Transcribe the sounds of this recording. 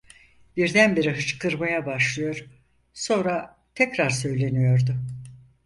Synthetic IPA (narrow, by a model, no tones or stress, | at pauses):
biɾd̪ænbeɾiɦɯt͡ʃkʰɯɾmajabaʃlˠɯjo̞ɾ̥ | so̞nɾa | t̪ʰɛcɾaɾsø̞jlʲe̞nijo̞ɾd̪ʊ